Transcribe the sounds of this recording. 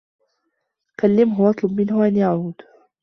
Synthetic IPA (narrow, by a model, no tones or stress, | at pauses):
kalːɪmɦʊɑt̪ˤlʊbmɪnhʊʔanjaʕuːd̪̥